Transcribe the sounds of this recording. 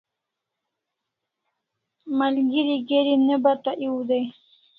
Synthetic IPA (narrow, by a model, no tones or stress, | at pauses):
malɡiɾiɡeɾinəbat̪aʔiwd̪ej